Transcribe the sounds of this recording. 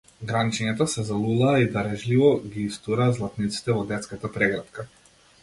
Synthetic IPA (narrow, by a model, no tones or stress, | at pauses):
ɡɾanit͡ʃɛɲat̪ɔsɛzalˠulˠaːid̪aɾɛʒlivɔɡʲiːst̪uɾaːzlˠat̪nit̪si̥t̪ɛvɔd̪ɛt̪skat̪apɾɛɡɾat̪ka